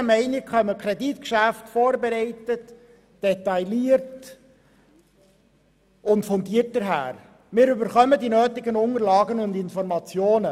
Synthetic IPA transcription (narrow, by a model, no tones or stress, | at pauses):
əmɛɪnɪkχœməkʰɾeditkʃæftfoːɾbeɾɛɪtət | d̥ɛtɑɪliːəɾt | ʊntfɔndiːərt̚d̥əɾɦæ̰ːɾ | mɪːɾybəɾχœmədinøːtɪɡənʊŋəɾlɑːɡənʊndɪnfɔɾmɑt͡sjoːnə